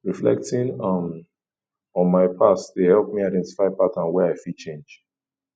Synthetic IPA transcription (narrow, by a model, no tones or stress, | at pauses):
ɹiflɛ̰k̚tĩnʌm | ɔ̃nmaɪpʰasdehɛlˠp̚miaɪdɛ̃nti̥faɪpatãnwɛaɪfidt͡ʃẽnd͡ʒ